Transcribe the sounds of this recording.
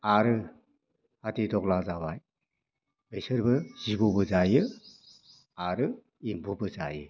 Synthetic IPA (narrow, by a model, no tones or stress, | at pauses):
aɾɯ | hatidɔklazaβaj | besɯɾbɯz̥ibɔbɯzajɯ | aɾɯ | imbubɯza̰jɯ